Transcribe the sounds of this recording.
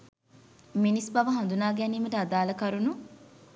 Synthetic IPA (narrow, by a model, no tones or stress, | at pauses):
minisbɐʋɐɦɐnd̪unaːɡæniːmɐʈəad̪aːlɐkɐɾunu